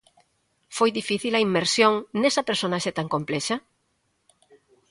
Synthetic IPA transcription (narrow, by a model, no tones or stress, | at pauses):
fojðifiθilɐimːeɾsjoŋnesɐpeɾsonaʃet̪aŋkomplɛʃɐ